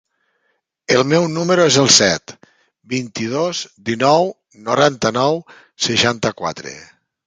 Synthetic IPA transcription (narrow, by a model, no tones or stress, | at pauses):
əlˠmɛwnuməɾoezəlˠsɛt̪ | bint̪ið̞ozd̪inɔw | noɾant̪ənɔw | seʃant̪əkwa̰t̪ɾḛ